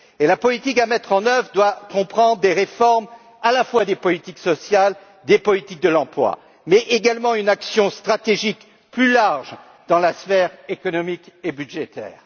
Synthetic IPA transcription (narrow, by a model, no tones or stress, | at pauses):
elapɔlit̪ikamɛt̪χɑ̃nœvʁd̪wakɔ̃pχɑ̃d̪ʁd̪eʁefɔʁm | alafwad̪epɔlit̪iksɔsjal | d̪epɔlit̪ik̚d̪əlɑ̃plwa̰ | mɛʔeɡalmɑ̃ynaksjɔ̃st̪χat̪eʒik | plylaʁʒ | d̪̥ɑ̃lasfɛʁekɔnɔmikebyd̪ʒet̪ɛ̰ːʁ